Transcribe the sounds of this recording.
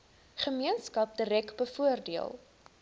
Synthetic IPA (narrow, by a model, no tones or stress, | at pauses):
χəmiənskɐp̚diɾɛkbəfuərdiəlˠ